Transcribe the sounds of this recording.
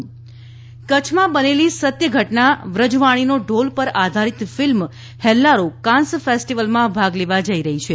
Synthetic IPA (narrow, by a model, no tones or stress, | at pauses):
kət͡ʃʰmãbənelisət̪jəɡʱəʈnaʋɾəd͡ʒʋaɽ̃inoɖolpəɾad̪ʱaɾit̪film | hɛlːaɾokãnsfesʈiʋəlmãbʱaɡleʋad͡ʒəiɾəɦit͡ʃʰe